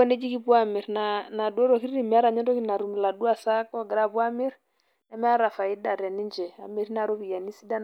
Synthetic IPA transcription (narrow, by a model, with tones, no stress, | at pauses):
ɔ˦ne˦d͡ʒi˦ki˦pwa˦mi˨ɾna˨na˨du˦ɔ˦ɾɔ˨ki˦ɾi˦ɾi˦˨mi˨a˦ɾa˨ɲɛ˦ndɔ˦kina˨ɾu˨mi˨la˨du˦a˨sa˦kɔ˦ɡɛ˨ɾa˦βwa˦mi˦ɾ | na˦m˦a˦ɾa˨fa˨i˦da˨ɾɛ˨ni˦nd͡ʒɛ˨a˨me˨ɾi˦na˨ɾo˦βi˨ja˨ni˦si˦da˦n